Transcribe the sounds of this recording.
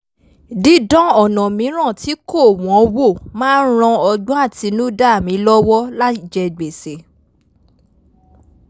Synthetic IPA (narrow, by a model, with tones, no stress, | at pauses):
di˨˦dɔ̃˦ɔ˦˨nɔ̃˨mĩ˨˦ɾ̃ã˦˨ti˨˦ko˦˨w̃ɔ̃˨˦wo˦˨mãː˦n̩˦ɾ̃ã˧ɔ˧ɡ͡bɔ̃˦a˦˨ti˨˧˦nũ˦da˦˨mĩ˨˦lɔ˦wɔ˦la˦i˦˨d͡ʒɛ˧ɡ͡be˨se˨